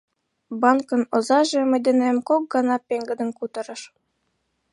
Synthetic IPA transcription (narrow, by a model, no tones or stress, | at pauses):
bɑnkɤ̆nŏzɑʒĕmɘ̆jd̪ʲɘ̆nemkok̚ɡɑnɑpʲeŋɡɘ̆d̪ɘ̆nkut̪ɤ̆ɾɤ̆ʃ